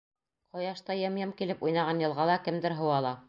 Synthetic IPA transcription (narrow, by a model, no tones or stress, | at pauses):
qŏjɑʃt̪ɑjɑmjɑmkilɘpujnɑʁɑnjɤ̆lˠʁɑlˠɑkɘ̆md̪ɘɾɦɤ̆wɑlˠɑ